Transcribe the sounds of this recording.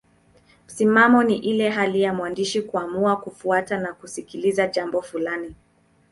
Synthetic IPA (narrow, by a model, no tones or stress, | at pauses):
m̩simamɔniʔilɛɦalijamwandiʃikuamuakufuatanakusikilizaʄambɔfulani